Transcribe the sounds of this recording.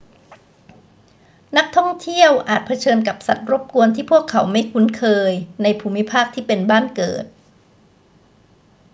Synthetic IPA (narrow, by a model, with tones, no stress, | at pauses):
na˦˥k̚t̪ʰɔ˥˩ŋt̪ʰi˥˩əwʔaː˨˩t̪̚pʰa˧t͡ɕʰɤː˧nka˨˩p̚sa˨˩t̪̚ɾo˦˥p̚ku˧ənt̪ʰiː˥˩pʰu˥˩əkʰːa˩˦wma˥˩jkʰu˧˦˥nkʰɤː˧jna˧jpʰuː˧mi˦˥pʰaː˥˩k̚t̪ʰiː˥˩pe˧nbaː˥˩nkɤ̰ː˨˩t̪̚